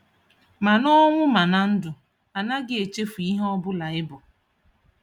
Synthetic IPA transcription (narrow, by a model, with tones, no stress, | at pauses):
ma˨nɔ˦ŋʷʊ˦ma˨na˨n̩˦dʊ˨ | a˨na˦ɡɪ˦e˨t͡ʃe˦fu˨i˦ɦɔ˦bʊ˦la˨ɪ˦bʊ˨